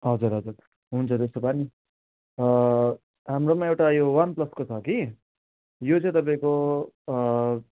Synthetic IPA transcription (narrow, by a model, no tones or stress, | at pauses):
ɦʌd͡zuɾɦʌd͡zuɾ | ɦunt͡sʰʌd̪est̪opani | ɦamɾomaewʈajowʌnplʌskot͡sʰʌki | jot͡sʌ̃ĩt̪ʌp̬ãĩko